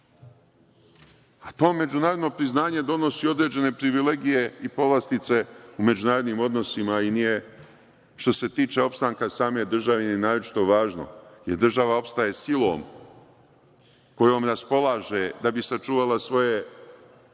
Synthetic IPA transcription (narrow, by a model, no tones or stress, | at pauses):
at̪o̞ːme̞d͡ʑunaːɾod̪no̞pɾiznaːɲe̞d̪o̞no̞sio̞d̪ɾe̞ːd͡ʑe̞ne̞pɾiʋile̞ɡije̞ipo̞ʋlˠast̪it̪se̞ume̞d͡ʑunaːɾo̞d̪niːmo̞d̪no̞simainije̞ | ʃt̪o̞se̞t̪iːt͡ʃe̞o̞pst̪aːŋkasaːme̞d̪r̩ʒaʋenienaːɾot͡ʃi̥t̪o̞ʋaːʒno̰jeɾd̪r̩ʒaʋao̞pst̪aje̞silˠo̞ːm | ko̞jo̞ːmɾaspo̞lˠaːʒe̞d̪abisat͡ʃuːʋalasʋo̞je̞